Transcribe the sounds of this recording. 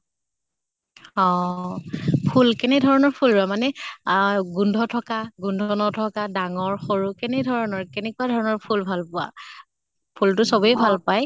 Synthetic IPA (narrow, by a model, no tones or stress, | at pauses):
ɔ | pʰulkɛnɛdʱɔɹɔnɔɹpʰulɹʊamanɛ | ɡundʱɔtʰɔkaɡundʱɔnɔtʰɔkadaŋɔɹxoɹukɛnɛdʱɔɹɔnɔɹkɛnɛkuwadʱɔɹɔnɔɹpʰulbʱalpʊwa̰ | pʰultʊsɔbejbʱalpaj